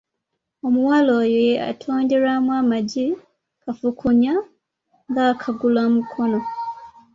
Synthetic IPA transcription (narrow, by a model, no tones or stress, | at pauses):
omuwaloːjea̰tʰoːndeɾamwaːmaɟi | kafukʰuɲa | ŋɡakʰaɡulamukʰo̞no̞